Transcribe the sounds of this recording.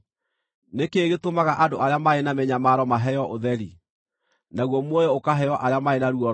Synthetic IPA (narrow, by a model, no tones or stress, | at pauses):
nekeɣetomaɣaʔadoʔaɾeamaenamɛɲamaɾɔmaɦɛjɔʔoðɛɾi | naɣwɔmwɔjɔokaɦɛjɔʔaɾeamaenaɾuɔ